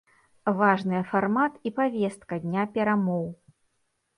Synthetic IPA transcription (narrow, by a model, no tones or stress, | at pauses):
vaʐnɨjɐfarmat̪ipavʲɛst̪̚kɐd̪ʲnʲapʲɛɾamɔw